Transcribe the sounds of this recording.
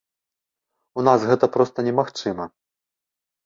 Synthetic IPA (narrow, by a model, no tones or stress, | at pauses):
unasɣɛt̪ɐpɾɔst̪ɐnʲɛmaxt͡ʂɨmɐ